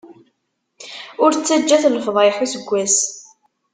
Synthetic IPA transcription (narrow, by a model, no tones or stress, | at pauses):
ʊɾt͡sːæd͡ʒːæθləfðˤɪħusəɡʷːæs